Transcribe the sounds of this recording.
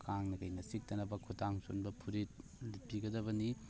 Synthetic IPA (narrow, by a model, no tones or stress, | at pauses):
kʰaŋnɐkɐjnɐsik̚tɐnɐbɐkʰutaŋso̰nbɐpʰuɾit̚lipiɡɐdɐbɐni